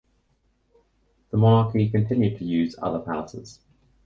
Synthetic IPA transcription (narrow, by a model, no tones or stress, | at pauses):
ðəmɑnɑˑkʰikʰə̃ntʰɪ̃njʉd̚tʰəjʉːzʌ̰ðəpʰa̰ʊsɪ̰z̥